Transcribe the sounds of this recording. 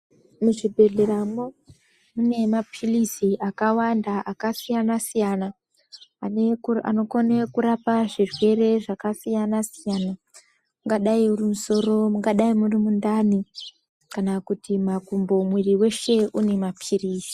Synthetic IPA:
muʐibʱe̞ɮeɾamo | mune̞mapʰirisiʔakawandaʔakasijanasijana | aneua̰no̞konekuɾapaʐirwe̞re̞ʐakasijanasijana | muŋɡaɗaiurimuso̞ɾo̞muŋɡaɗaimurimundani | kanakutimakumbo̞mwiriwe̞ʃe̞ʔune̞mapʰiriːsi̥

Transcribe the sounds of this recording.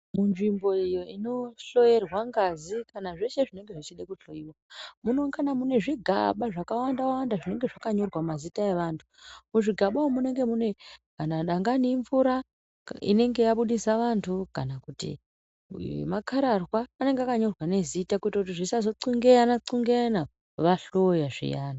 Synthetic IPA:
munʐimbo̞ijo̞ino̞ɬo̞je̞rwaŋɡazikanaʐe̞ʃe̞ʐine̞ŋɡe̞ʐit͡ʃiɗekuɬo̞iwamuno̞ŋkanamune̞ʐiɡʱa̰ɓaʐakawandawawandaʐine̞ŋɡe̞ʐakaɲo̞rwamazitae̞ʋantʰu̥muʐiɡʱaɓawomune̞ŋɡe̞mune̞kanaɗaŋɡaniɱvuɾa | ḭne̞ŋɡe̞jaɓuɗisaʋantʰukanakutḭ | makʰaɾarwaːne̞ŋɡeakaɲo̞rwane̞zitakuitautiʐisazo̞ǀuŋɡejanaǀuŋɡejana | ʋaɬo̞jaʐḭjaːna

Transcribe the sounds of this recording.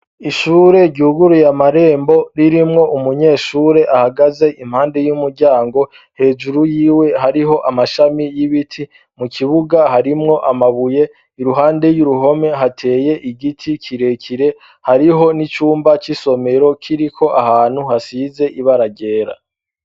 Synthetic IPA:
iʃuːɾe̞ɟuːɡuɾujamaɾe̞ːmbo̞ɾiɾimŋo̞ʔumuɲe̞ːʃuːɾe̞ʔahaɡaze̞ʔim̥haːnde̞jumuɾɟaːŋɡo̞ | he̞ːd͡ʒuɾujiːwe̞ɦaɾiɦo̞ʔamaʃamijiβitʰi | mukʰiβuɡaɦaɾimŋo̞ʔamaβuje̞ | iɾuɦaːnde̞juɾuɦo̞me̞ɦatʰe̞ːje̞ʔiɡitʰikʰiɾe̞kʰiɾe̞ | haɾiɦo̞nit͡ʃuːmbat͡ʃiso̞me̞ɾo̞kʰiɾikʰo̞ʔahaːn̥huhasize̞ʔiβaɾaɟe̞ːɾa̰

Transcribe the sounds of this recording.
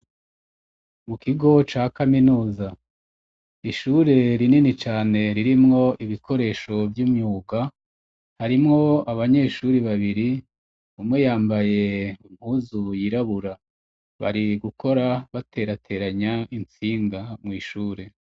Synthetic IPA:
mukiɡo̞t͡ʃaːkaminuːza | iʃuːɾe̞ɾininit͡ʃaːne̞ɾiɾimŋo̞ʔiβikʰo̞ɾe̞ːʃo̞vjuːmɲuːɡa | haɾimŋo̞aβaɲe̞ʃuɾiβaβiɾi | umŋe̞jaːmbaje̞um̥huːzujiɾaβuɾa | βa̰ɾiɡukʰo̞ɾaβatʰe̞ːɾatʰe̞ɾaɲaint͡siːŋɡamŋwiːʃuːɾe̞

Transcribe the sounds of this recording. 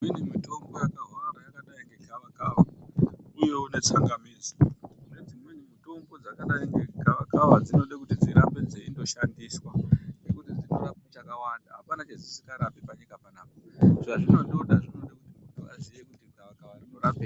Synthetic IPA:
inimuto̞ŋɡojakaɦoraɾajakaɗaeŋɡekaʋakaʋa | ujo̞une̞t͡saŋɡamiːd͡zone̞d͡zimwenimito̞ŋɡo̞d͡zakaɗaeŋɡekaʋakaʋad͡zino̞ɗekutid͡ziɾambed͡zeindo̞ʃandiswanekutid͡zinorapet͡ʃakawandaɦapanat͡ʃezisikaɾapipakekapanaːp̚aʐaʐino̞ɗoɗaʐino̞ɗekutimutʰua̰zijekutikaʋakaʋarinoɾape

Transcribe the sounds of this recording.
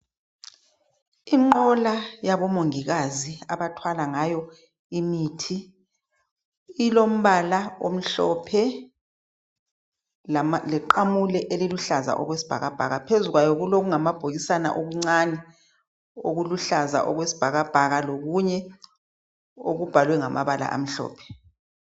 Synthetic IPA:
iŋ͡ǃɔlajaβɔmoŋiɣaziaβatʰwalaŋajɔ | imiːtʰi | lom̩βalaom̩ɬɔpʰɛ | alɛǃamulɛʔeliluɬaza̰ʔɔ̰ɣwesi̥b̥ʱa̰ɣab̥ʱa̰ɣapʰezuɣwajɔɣuloɣuŋamab̥ʱoɣisana̰ʔoɣuŋ͡ǀanɛ | oɣuluɬaza̰ʔɔɣwesi̥b̥ʱaɣab̥ʱaɣaloɣuɲɛ | oɣub̥ʱalwɛŋamʔa̰βala̰ʔa̰m̩ɬɔ̰ːpʰɛ̥

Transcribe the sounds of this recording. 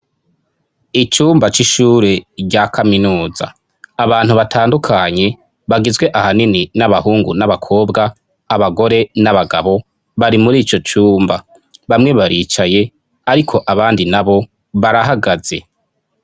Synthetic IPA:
it͡ʃuːmbat͡ʃiʃuːɾe̞ɟakʰaminuːza̰ː | βaːn̥huβatʰaːndukʰaɲe̞ | βaɡizɡwe̞ʔahanininaβahuːŋɡunaβakʰo̞ːbɡaː | βaɡo̞ɾe̞naβaɡa̰βo̞ | βaɾimuɾiːt͡ʃo̞t͡ʃuːmba | βamŋe̞βaɾiːt͡ʃaje̞ | aɾikʰo̞ʔaβaːndinaβo̞ | βaɾaɦaɡaz̥e̞̰

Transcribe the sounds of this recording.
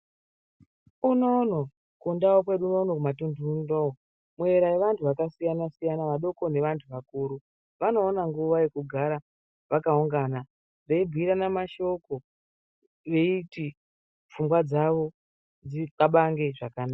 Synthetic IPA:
uno̞no | kundawokwe̞ɗuːno̞ːno̞kumatunduundoo | mwe̞ɾaeʋantʰuʋakasijanasijanaʋaɗo̞ko̞ne̞ʋantʰuʋakuːɾu | ʋano̞ːnaŋɡuʋaje̞kuɡʱaɾa | ʋakauŋɡana | reibʱiɾanamaʃo̞ko̞ | ʋe̞iti | fumbwad͡zaʋo̞ | d͡zikaɓaŋɡe̞ʐakanaːa

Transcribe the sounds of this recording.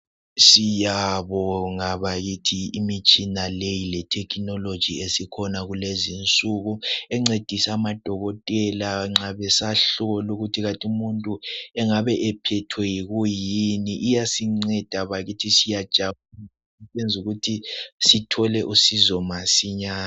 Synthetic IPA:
sijaβɔŋaβaɣitʰiimit͡ʃʼinalejilɛtʰɛkʰnɔlod̥ʒ̥ʱiesikʰɔnaɣulezint͡sʼuɣuɛŋ͡ǀed̥ʱisamad̥ʱɔɣɔtʼɛlaŋ͡ǁaβɛsaɬɔɣɔluɣutʰiɣatʼiumuntʼuɛŋaβɛʔɛpʰɛtʰwɛjiɣujiniʔijasiŋ͡ǀɛd̥ʱaβaɣitʰisijad̥ʒ̥ʱaun | ɛend͡zʱuɣutʰisitʰɔlɛʔusizɔmasiɲaːa

